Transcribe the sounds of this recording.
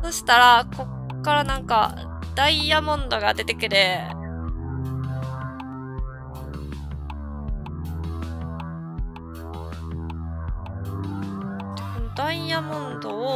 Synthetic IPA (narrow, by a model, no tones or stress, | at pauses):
so̞ɕi̥t̪aɾako̞kːaɾanãŋka̰ | d̪̥aijamõ̞nd̪o̞ɡad̪e̞t̪e̞kɯ̟ɾe | ekonod̪aijamõ̞nd̪o̞o